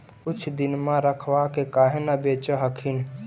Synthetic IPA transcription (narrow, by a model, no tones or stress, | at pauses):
kʊt͡ʃʰd̪ɪnmãɾəkʰwakekaːɦenabeːt͡ʃəɦəkʰɪn